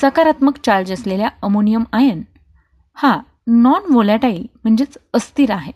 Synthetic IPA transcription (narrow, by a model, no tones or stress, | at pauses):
səkaɾat̪məkt͡ɕaɭd͡ʑəsleljaəmonijəmajen | ha | nɔnʋolaʈaiːlm̤əɳd͡ʑet͡səst̪iɾaɦe